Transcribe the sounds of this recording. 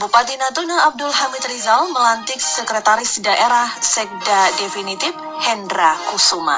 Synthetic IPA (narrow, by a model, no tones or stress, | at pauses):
bupat̪inat̪unaːb̚dʊlɦamɪt̪rizalməlant̪ɪk̚səkɾet̪aɾɪsdaʔeɾahsɛk̚dadefinit̪ɪf | hɛndɾakusuma̰